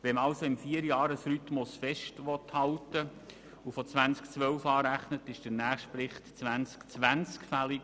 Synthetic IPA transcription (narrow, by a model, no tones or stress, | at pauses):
ʋɛməɑlsoɪmfiːəɾjɑːɾəsɾytmosfɛʃtʋɔthɑltə | ufot͡sʋænt͡skt͡sʋœwfɑːɾæχnətɪʃd̥ənæːχʃtpɾɪχtt͡sʋænt͡skt͡sʋænt͡skfælik